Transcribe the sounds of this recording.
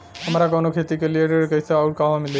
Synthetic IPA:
amɾakonokʰet̪ikelieʈeɾkəjseawʈ̚kaɦamili

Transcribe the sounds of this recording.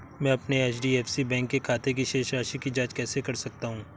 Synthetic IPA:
mɛ̃ːɐpneeːt͡ʃʰɖiːɛːfsibɛ̃ːŋkːekʰaːt̪ek̬iʃeːʃɾaːʃikid͡ʒaːd͡ʒkɛːsekɐɾsɐk̚t̪aɦũː

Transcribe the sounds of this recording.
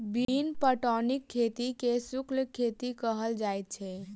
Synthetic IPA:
binpəʈɔnikʰːet̪ikesukʰlkʰːet̪ikəɦəld͡ʒajt̪̚t͡ʃʰɛ

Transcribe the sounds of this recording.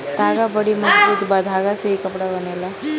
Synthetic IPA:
d̪ʱaɡabəɽiməsbuːt̪bad̪ʱaɡaseɦikəpɽabənela

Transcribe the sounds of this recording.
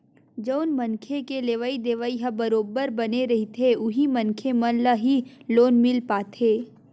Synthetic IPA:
d͡ʒəʊnmɐnkʰekeleːʋaid̪eːʋaiɦɐbɐɾoːbəɾbɐneɾɐɦit̪ʰeʊɦimɐnkʰemɐnlaɦiloːnmɪlpaːt̪ʰeː

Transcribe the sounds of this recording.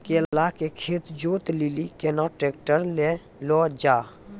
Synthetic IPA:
keːllakekʰeːt̪d͡ʒoːt̪lilikenaʈeːk̚ʈəɾle | lɔːd͡ʒaː

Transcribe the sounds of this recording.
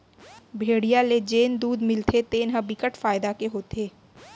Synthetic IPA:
bʱeːɽijaled͡ʒeːnd̪uːd̪mɪlt̪ʰet̪eːnɦə̃bɪkəʈfaːɪd̪akeɦoːt̪eː

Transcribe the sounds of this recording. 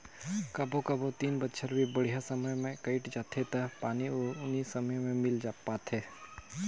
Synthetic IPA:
kɐbokɐbot̪iːnbətːʃʰəɾbʱibəɽ̤ijasɐməjmẽkəɪʈd͡ʒaːt̪ʰet̪ɐpaːniʊnisɐməjmẽmɪld͡ʒaːpaːt̪ʰɛː

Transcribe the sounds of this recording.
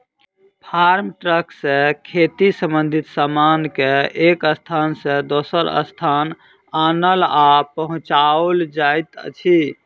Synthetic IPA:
pʰaɾmʈɾəksẽkʰet̪isəmbənd̪ʱit̪samankeekəst̪ʰansẽd̪osəɾə̰st̪ʰan | anəlapəɦũt͡ʃaold͡ʒajt̪ə̰t͡ʃʰi

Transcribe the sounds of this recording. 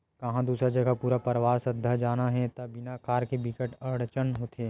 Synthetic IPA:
kɐɦãd̪uːsɾad͡ʒɐɡapuːɾapɐɾʋaːɾsɐd̪ʱːad͡ʒaːnaɦɛt̪ɐbɪnakaːɾkebɪkəʈɐɽt͡ʃənɦoːt̪ʰeː

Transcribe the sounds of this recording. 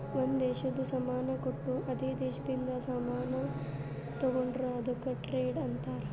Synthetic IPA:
ʋond̪d̪eːʃɐd̪usɐmaːnɐkoʈːuʔɐd̪eːd̪eːʃɐd̪ind̪ɐsɐmaːnɐ | t̪ɐɡoɳɖɾoɐd̪ɐkːɐʈɾeːɖɐnt̪aːɾe

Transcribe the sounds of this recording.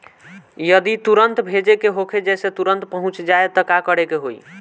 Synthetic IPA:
jəd̪it̪uɾənt̪bʱed͡ʒekeɦokʰed͡ʒɛset̪uɾənt̪pəɦũt͡ʃd͡ʒaet̪ɔkakəɽekeɦoi

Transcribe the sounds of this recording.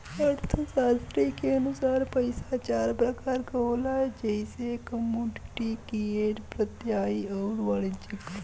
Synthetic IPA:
əɾt̪ʰəsaːst̪ɾikeɐnʊsaːɾpəɪsat͡ʃaːɾpɾəkaːɾkəoːlad͡ʒɛɪsekəmjuːɖɪʈikieːʈpɾət̪jaːiɔːɾʋaːlid͡ʒəɡ

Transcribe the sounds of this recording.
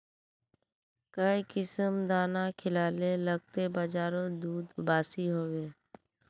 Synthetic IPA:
kəikɪsəmd̪aːnakʰɪlaːleləɡ̚t̪ebad͡ʒaːɾõd̪uːd̪baːsiɦoːʋeː

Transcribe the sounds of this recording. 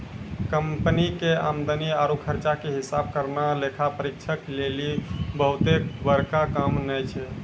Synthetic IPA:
kəmpənikea̰md̪əniaɾukʰəɾt͡ʃakeɦisab̚kəɾnalekʰapəɾik̚t͡ʃʰəklelibəɦut̪ekbəɾkakamnəjt͡ʃʰɛ

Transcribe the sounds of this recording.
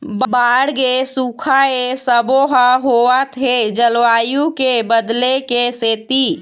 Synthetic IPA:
bbaːɽɡesukʰaesəboɦaɦoat̪ʰed͡ʒəlwaːjũkebəd̪lekeseːt̪i

